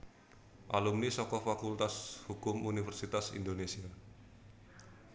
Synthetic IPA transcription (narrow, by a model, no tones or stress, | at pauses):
ʔalumnisɔkɔfakult̪ashukʊmunifɛrsit̪asḭnd̪onesia